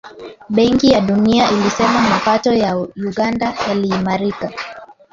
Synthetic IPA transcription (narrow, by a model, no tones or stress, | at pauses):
ɓɛŋkijaɗuniaʔilisɛmamapatɔjauɠandajaliːmaɾika